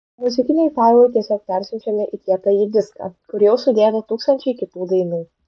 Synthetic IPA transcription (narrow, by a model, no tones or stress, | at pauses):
mʊzʲɪkʲɪnʲɛɪfɑɪlˠɐɪt̪ʲiɛsʲɔːk̚pʲæˑɾʲsʲʋʲɛt͡ʃʲɛmʲɛʔit̪ʲiɛkɐjid̪ʲɪskɐ̰kʊɾʲjɛʊsʊd̪ʲeːd̪ɐt̪uːkst̪ɐnʲt͡ʃʲɛɪkʲɪt̪uːd̪ɐɪnuː